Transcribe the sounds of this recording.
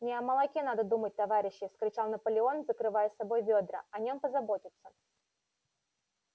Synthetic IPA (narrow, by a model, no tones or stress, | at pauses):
nʲɪɐməlˠɐkʲenad̪əd̪umət̚ʲt̪ɐvaɾʲɪɕːɪskɾʲɪt͡ɕalˠnɐpəlʲɪo̞nzəkɾɨvajəsabo̞jvʲod̪ɾə̰ɐnʲompəzɐbo̞tʲɪt̪sːə